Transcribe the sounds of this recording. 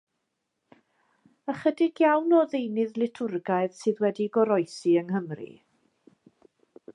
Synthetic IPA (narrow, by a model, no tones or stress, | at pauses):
əχədɪɡjawnɔðejnɨðlɪtʰʊrɡajð̥sɨːðwɛdiɡɔɾɔjsiəŋhəmrḭ